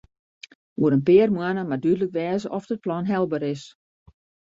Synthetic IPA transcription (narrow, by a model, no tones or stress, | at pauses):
uəɾənpɪərmwanəmadydələkʋɛːzəʔɔfdət̚plɔnɦɛlˠbəɾɪs